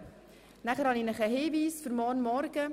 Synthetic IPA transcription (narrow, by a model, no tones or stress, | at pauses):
næχəɾhɑninəχəɦeːviːsfʏɾmɔːnmɔɾɡ̥ə